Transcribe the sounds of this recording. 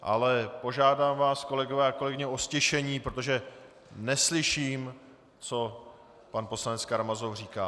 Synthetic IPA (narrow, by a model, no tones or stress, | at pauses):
ʔa̰lɛpo̞ʒaːdaːmvaːsko̞lɛɡovɛːako̞lɛɡɪɲɛʔo̞scɛʃɛɲiːpɾot̪o̞ʒɛ | nɛslɪʃiːm | t͡so̞ | panpo̞slanɛt͡skaɾmazofr̝iːkaː